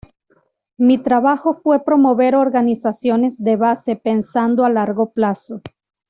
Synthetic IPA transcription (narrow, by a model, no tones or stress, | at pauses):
mit̪ɾaβaxo̞fwe̞pɾo̞mo̞βe̞ɾo̞ɾɣanisasjo̞ne̞zd̪e̞βase̞pe̞nsand̪oalaɾɣo̞plaso̞